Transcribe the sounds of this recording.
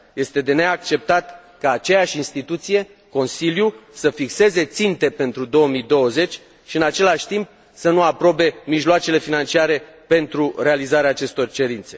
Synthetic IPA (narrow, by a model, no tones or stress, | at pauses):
je̞st̪e̞d̪e̞neak̚t͡ʃe̞p̚t̪at̪ | kaːt͡ʃe̞jaʃʲinst̪it̪ut̪sije̞ | ko̞nsiljusəfikse̞ze̞t̪sint̪e̞pe̞nt̪ɾud̪o̞omid̪o̞wəze̞t͡ʃʲ | ʃiɨnat͡ʃe̞laʃt̪imp̚ | sənuapɾo̞be̞miʒloat͡ʃe̞le̞finant͡ʃiaɾe̞pe̞nt̪ɾure̞alizaɾeaːt͡ʃe̞st̪o̞rt͡ʃe̞ɾint̪se̞